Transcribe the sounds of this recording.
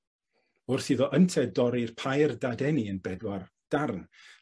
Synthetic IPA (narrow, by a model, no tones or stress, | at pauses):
ʊrθiðɔʔəntʰɛdɔɾirpʰajrdadɛniənbɛdwar | d̥arn